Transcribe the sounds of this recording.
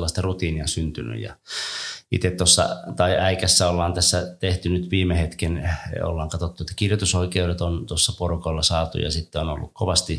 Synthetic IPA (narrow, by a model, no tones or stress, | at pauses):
lːɑst̪ɑrut̪iːniɑsynt̪yny̰jɑ̰ | ḭt̪et̪t̪osːɑ̰t̪ɑiʔæikæsːæolːɑːnt̪æsːæt̪eht̪ynyt̪ʋiːmehet̪keno̰lːɑːŋkɑt̪ot̪ːuet̪ːæ̥kirjot̪usoikeuɾet̪ont̪osːɑporukoilːɑsɑːt̪ṵjɑ̰sit̪ːeono̰lːṵkkoʋɑst̪i